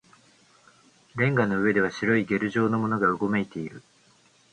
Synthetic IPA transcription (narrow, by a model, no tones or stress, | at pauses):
ɾẽ̞ŋɡano̞ɯ̟βe̞d̪e̞βaɕiɾo̞iɡe̞ɾɯ̟ʑo̞ːno̞mo̞no̞ɡaɯ̟ɡo̞me̞it̪e̞iɾɯ̟